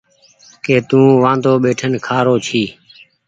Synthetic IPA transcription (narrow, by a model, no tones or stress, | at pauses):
keːt̪ũːʋãːnd̪oːɓeːʈʰənkʰaːɾoːt͡ʃʰiː